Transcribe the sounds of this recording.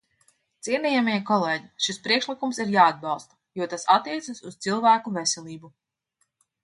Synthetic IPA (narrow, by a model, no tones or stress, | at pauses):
t̪siɛnijamikɔlˠeːɟiʃispɾiɛkʃlikumsiɾjaːad̪̚bɑlˠst̪a | juɔt̪asat̪ːiɛt̪sasust̪silˠvæːkuvesɛlʲˠiːbu